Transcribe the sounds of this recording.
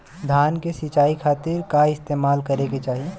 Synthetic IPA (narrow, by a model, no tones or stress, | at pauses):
d̪ʱaːnkesɪt͡ʃaːikʰaːt̪ɪɾkaɪst̪eːmaːlkɐɾeket͡ʃaːɦie